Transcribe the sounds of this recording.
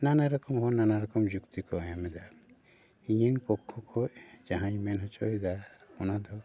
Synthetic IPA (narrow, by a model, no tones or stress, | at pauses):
nanaɾɔkɔmɦɔnanaɾɔkɔmd͡ʒukt̪ikɔɔjamɛd̪a | iɲeŋpɔkʰːɔkʰɔd͡ʒaɦãjmɛnɦɔt͡ʃɔɦid̪aɔnad̪ʱɔ